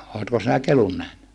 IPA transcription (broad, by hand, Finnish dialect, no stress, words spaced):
oːtko sinæ kelun næhny